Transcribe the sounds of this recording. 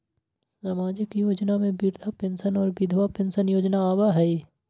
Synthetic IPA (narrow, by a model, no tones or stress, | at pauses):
zamaːd͡ʒɪkjoːd͡ʒnamẽbiɾd̪ʱapẽnsənɔːɾbɪd̪ʱʋapẽnsənjoːd͡ʒnaaːbaɦɛi